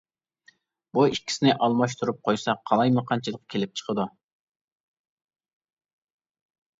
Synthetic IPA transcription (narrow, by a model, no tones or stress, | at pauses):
buiʃkʲi̥sɪnɪʔɑlˠmɑʃ̬t̪ʰuɾup̚qʰojsɑqʰːɑlˠɑjmɨqʰɑnt͡ʃʰilˠəqkʲʰelɪp̚t͡ʃʰə̥qʰəd̪u